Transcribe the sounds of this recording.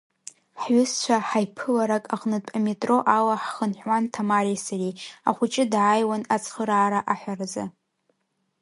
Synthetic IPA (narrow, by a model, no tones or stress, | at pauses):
ħɥʊst͡ʃʷʰaħajpʰɨlaɾakʼaχʼnɨtʷʼametʼro̞ʔawaħχənħwantʰamaɾisaɾiaχʷʊt͡ʃʼɪdʕajwanat͡sʰʼχəɾaːɾaʔaħʷᶣarza